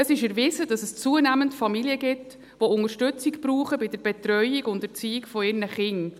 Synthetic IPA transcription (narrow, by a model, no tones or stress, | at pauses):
əsɪʃəɾvɪzədɑsəst͡suənæməntfɑmiljəɡɪt | ʋoʊŋəɾʃtʉt͡sikb̥ɾuːχəbɪdəɾb̥ɛtɾœʏiɡʊndəɾt͡siːikfɔɪrnəχɪŋ